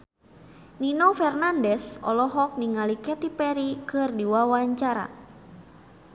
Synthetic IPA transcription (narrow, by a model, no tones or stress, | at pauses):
ninɔfɛrnandɛsɔ̰lɔɦɔk̚niŋalikɛt̪ipɛɾikɨrdiwawaɲt͡ʃaɾa̰